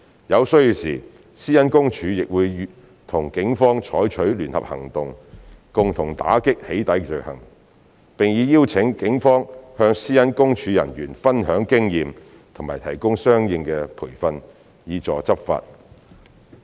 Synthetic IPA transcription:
jɐ˨˧wsɵ˥ɥji˧wsiː˨˩ | siː˥jɐ˥nkʊ˥ŋt͡ʃʰyː˨˧jɪ˨k̚wuː˨˧j | t̪ʰʊ˨˩ŋkɪ˨˥ŋfɔː˥ŋt͡ʃʰɔː˨˥jt͡ʃʰɵ˨˥ɥlyː˨˩nhɐ̰˨p̚hɐ̰˨˩ŋt̪ʊ˨ŋkʊ˨ŋt̪ʰʊ˨˩ŋt̪a̰ː˨˥kɪ˥k̚he˨˥jt̪ɐ˨˥jt͡ʃɵ˨˩khɐ̰˨˩ŋ | pɪ˨ŋjiː˨˧jiː˥wt͡sʰɪ˨˥ŋkɪ˨˥ŋfɔː˥ŋhœː˧ŋsiː˥jɐ˥nkʊ˥ŋt͡ʃʰyː˨˧jɐ̰˨˩njyː˨˩nfɐ˥nhœː˨˥ŋkɪ˥ŋjiː˨m | t̪ʰŋmaː˨˩jt̪ʰɐ˨˩jkʊ˥ŋsœː˥ŋjɪ˧ŋkɛː˧pʰuː˨˩jfɐ˧n | jiː˨˧t͡ʃɔː˨˩t͡sɐ˥p̚fa̰ː˧t̚

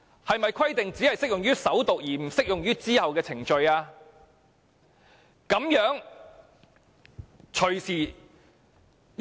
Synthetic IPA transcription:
hɐ˨jmɐ˨jkʰɐ˥jt̪ɪ˨ŋt͡siː˨˥hɐ˨jsɪ˥k̚jʊ˨ŋɥyː˥sɐ˨˥wt̪ʊ˨k̚jiː˨˩m̩˨˩sɪ˥k̚jʊ˨ŋjyː˥t͡siː˥hɐ˨wkɛː˧t͡sʰɪ˨˩ŋt͡ʃɵ˧ɥaː˧ | kɐ˨˥mjœː˨˥ŋ | t͡ʃʰɵ˨˩ɥsiː˨˩

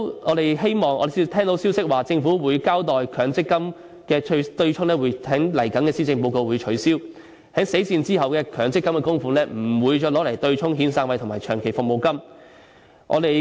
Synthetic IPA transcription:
ɔː˨˧t̪e˨jɦe˥jmɔː˨ŋʔɔ̰ː˨˧˨t̪ʰɛː˥ŋt̪o˨˥wsiː˥wsɪ˥k̚waː˨˩t͡sɪ˧ŋfuː˨˥wuː˨˧jkaː˥wt̪ɔː˨jkʰœː˨˥ŋt͡sɪ˥kːɐ˥m | kɛː˧t̪ɵ˧ɥt͡ʃʰʊ˥ŋlɛː˥wu˨˧jʰhɛ˨˥ŋlɐ˨˩jkɐ˨˥nkɛː˧siː˥t͡sɪ˧ŋpo˧wko˧wuː˨˧jt͡ʃʰɵ˨˥ɥsiː˥w | hɐ˨˥ŋse˨˥jt͡siː˧nt͡siː˥ɦɐ˨wkɛː˧kʰœː˨˩ŋt͡sɪ˥kːɐ˥mkɛː˧kʊ˥ŋfuː˧lɛː˥m̩˨˩wuː˨˧jt͡ʃɔː˧lɔː˨˥lɐ˨˩jt̪ɵ˧ɥt͡ʃʰʊ˥ŋɦiː˨˧nsaː˧ŋwɐ˧jt̪ʰʊ˨˩maː˨˩jt͡ʃʰœː˨˩ŋkʰe˨˩jfʊ˨k̚mo˨wkɐ˥m | ʔɔ̰˨˧t̪e˨j

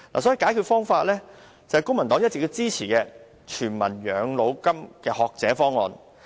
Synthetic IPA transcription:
la̰ː˨˩sɔ˨˥i˨˧kaː˨˥jkʰyː˧t̚fɔː˥ŋfaː˧t̚lɛː˥ | t͡sɐ˨whɛ˨jkʊ˥ŋmɐ˨˩nt̪ɔː˨˥ŋjɐ˥t̚t͡sːɪ˨k̚ji˧wt͡siː˥t͡sʰiː˨˩kɛː˧ | t͡ʃʰyː˨˩nmɐ̰˨˩njœː˨˧ŋlo˨˧wkɐ˥mkɛː˧hɔː˨k̚t͡sɛː˨˥fɔː˥ŋːɔː˧n

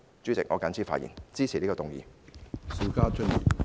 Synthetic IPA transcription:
t͡syː˨˥t͡sɪ˨k̚ŋɔ̰˨˧ka˨˥nt͡sʰiː˥˩faː˧t̚jḭ˨˩nt͡siː˥t͡sʰiː˨˩li˥kːɔ˧t̪ʊ˨˩ŋjḭː˨˧si˨˧wkaː˥t͡ʃʰɵ˥t̚jḭ˨˩

